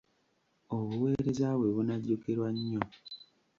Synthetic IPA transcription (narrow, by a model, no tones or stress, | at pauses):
oβuwe̞ːɾe̞zaβwe̞βunaɟːoke̞ɾwaɲːo